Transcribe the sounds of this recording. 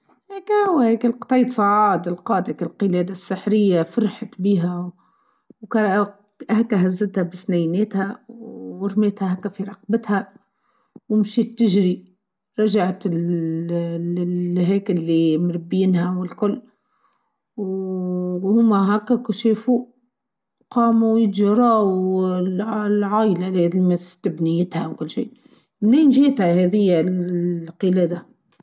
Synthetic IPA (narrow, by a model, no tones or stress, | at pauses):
hekhʊwːhɛːkɪlqt̪ˤɑjːt̪sˤɑʕɑːd̪ɪlqɑːd̪akalqɪlɛːd̪asːɪħɾɪjːafɑɾˤħat̪biːɦæ | wkɑɾˤ | hækːæɦæzːɪt̪hæbɪsnæjnɛːt̪hæ | ɪɾmeːt̪hæɦækːæfiɾˤɑq̚bɪt̪hæ | wɪmʃiːt̪ːɪʒɾi | ɾˤɑʒaʕt̪ɪl | ɦɛːkɪlːimɾɪbːiːnhæwɪlkʊlː | w | hʊmːaɦækːækʃefu | qɑːmawjɪt̪ʒɑɾˤɑːwllʕaːjlalːðimæt̪ɪbnɪjːɪt̪hæwkʊlːʃḭː | mniːnʒiːt̪hæhɛðɪjːa | qɨleːd̪a